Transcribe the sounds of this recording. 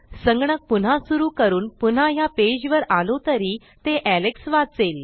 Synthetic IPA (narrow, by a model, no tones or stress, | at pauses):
səŋɡɳək̚pun̤ãsuɾuːkəɾuːnpun̤ajaped͡ʑʋəɾalot̪əɾiː | t̪eʔæleksʋat͡seːl